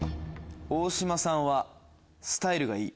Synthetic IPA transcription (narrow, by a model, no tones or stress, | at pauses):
oːɕimasãɰ̃βa | sɨ̥t̪aiɾɯ̟ɡaiː